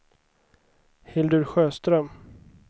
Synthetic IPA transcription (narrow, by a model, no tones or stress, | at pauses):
hɪld̪ɵɾɧøːst̪ɾœm